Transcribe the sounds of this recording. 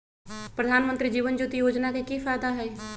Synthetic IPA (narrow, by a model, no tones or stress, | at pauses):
pɾəd̪ʱaːnmə̃nt̪ɾid͡ʒiːʋənd͡ʒuːt̪ijoːd͡ʒnakekifaːd̪aɦɛː